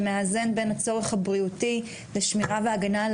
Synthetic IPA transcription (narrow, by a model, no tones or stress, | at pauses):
meaze̞nbe̞nhat͡so̞ʁe̞χhabʁiuti | leʃmiʁaveaɡanal